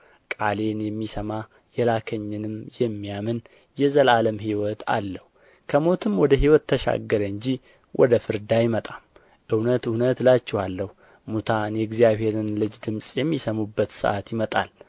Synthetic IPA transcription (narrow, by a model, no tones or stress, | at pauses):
kʼale̞njɛmːisəma | jɛlakʰəɲːɨnɨmjɛmːijamɨn | jɛzəlaləmɦiwɔt̪ʰa̰lːəhu | kʰəmo̞t̪ʰɨmwɔd̪əɦiwɔt̪ʰːəʃa̰ɡːəɾəɨɲd͡ʒi | wʔɔ̰d̪əfɨɾd̪ajɪmət̪ʼam | ʔɨwnət̪ɨwnət̪lat͡ʃːɛhalːəhu | mut̪ʰanjɛɡzijaβhe̞ɾɨnlɨd͡ʒd̪ɨmsʼjɛmːisəmubːət̪sɨ̰ʔat̪jɪmət̪ʼa̰l